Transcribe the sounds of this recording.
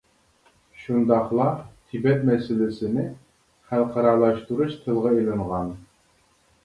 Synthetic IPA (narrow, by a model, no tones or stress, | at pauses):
ʃund̪ɑqlˠɑt̪ʰibɛt̪mæsɘlæsɘ̆nɪ | χælˠqʰɑɾɑɾlˠɑʃt̪uɾuʃt̪ʰɤ̆lˠʁɤĭjlˠɤ̆ɴʁɑn